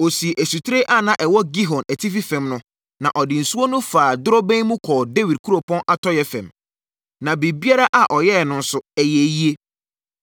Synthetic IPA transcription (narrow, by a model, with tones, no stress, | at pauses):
o˨si˨ʔæ˨su˨tʰɾe˦ʔa˦nã˨ʔɛ˨wɔ˦ɡi˦ɦɔ̃˨næ˨tʰi˦fi˦fɛ̃˨mnʊ̃˦ | nã˨ʔɔ˨dɪ˨n̩˨su˦o˦nʊ̃˦faː˨dʊ˦ɾɔ˦bæ̃˦n˦mũ˦kʰɔː˨de˦wi˨d̚kʰu˦ɾo˨pʰɔ̃˦nʔa˨tʰɔ˦jɛ˦fɛ̰̃˨m | nã˨be˨bi˦a˦ɾa˦ʔa˨ʔɔ˨jɛ˦˨nʊ̃˨n̩˦sʊ˨ɛ˨jɛ˨ji˦e˦